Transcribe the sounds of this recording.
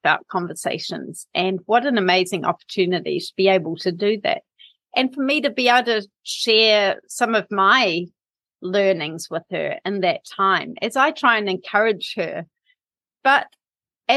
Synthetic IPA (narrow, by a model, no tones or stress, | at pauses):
b̥aʊt̚kʰɑ̃ɱvə˞sḛɪʃɨ̰̃nz̥ʔɨ̃nwʌɾɨ̃nɨmeɪzɪ̃ŋʔɑ̰pə˞tʰʉnɨɾḭɾəb̥ieɪbəl̩ˠtʰɨdɨðæ̰t̚ | ʔɨ̃nfə˞miɾɨbieɾɨ | ʃɛɹsʌ̃mʌvmaɪ | lɜ˞nɪ̃ŋz̥wɪð̥ə̰˞ɨ̰̃nðɨtʰãɪ̃mɨzaɪtʰɹ̥aɪɨ̃nɨ̃nkʰɜ˞ɨ̥d͡ʒ̥hə̰˞ | b̥ʌɾ | ɨ